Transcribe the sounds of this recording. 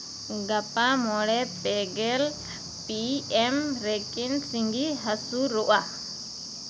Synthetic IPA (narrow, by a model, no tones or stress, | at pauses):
ɡapamɔɽɛpɛɡɛl | piɛmɾɛkinsiŋɡiɦasuɾɔʔa